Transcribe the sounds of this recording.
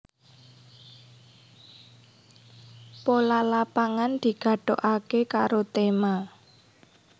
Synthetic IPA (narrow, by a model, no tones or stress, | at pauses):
polalapaŋand̪̥i̤ɡ̥a̤ɖ̥oʔakekaɾot̪ema